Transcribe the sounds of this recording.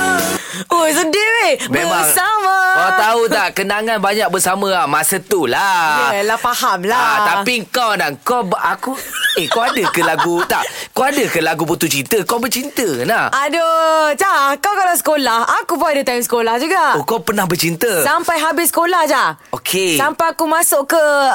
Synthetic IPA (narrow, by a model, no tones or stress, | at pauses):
os̬ədiwembeəmaŋsamaat̪aut̪aʔkənaŋanbaɲak̚bəsamãamasət̪ulalahfahamlat̪apiŋkawnaŋkɔbakuekawadəkəlaɡut̪aʔkaadəkəlaɡuput̪ut͡ʃint̪əkabət͡ʃint̪ənahadod͡ʒakawkalasə̥kolahakubajdət̪aimsə̥kolahd͡ʒuɡaʔokapərnahbət͡ʃint̪əsampajɦabɪsə̥kolahd͡ʒaʔokʰesampajakumãsʊʔkə